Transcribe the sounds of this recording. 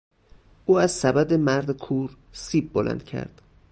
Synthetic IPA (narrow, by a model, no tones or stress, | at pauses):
ʔuːæzsæbæd̪emæɾd̪ekʰuːɾ | siːb̚ːolʔæ̰nd̪̥̚cʰæ̰ɾd̪̥